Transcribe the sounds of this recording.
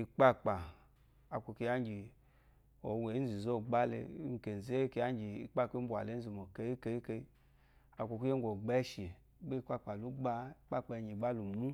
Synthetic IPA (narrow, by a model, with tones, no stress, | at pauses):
i˧k͡pa˦k͡pa˨ | a˨kʷo˧ke˧ja˦ŋ˦ɡi˨ | o˨wʷe˨˦zi˨zo˦˨ɡ͡ba˦lḛ˧˦ŋ̩˨ke˨ze˦ke˧a˦ŋ˦d͡ʒi˨i˧˨k͡pa˦˨kʷi˦bʷa̰˨le˨˦n̩˦zi˧˨mo˨ke˧˦i˦ke˧˦i˦ke˧i˦ | a˨kʷo˧ku˦e˦ɡʷo˨ɡ͡be˦ʃi˨ | be˦i˧˦k͡pa˦k͡pa˨lu˦ɡ͡ba˧i˧k͡pa˦k͡pa˧˨ɲi˨ɡ͡ba˦lu˨mu˦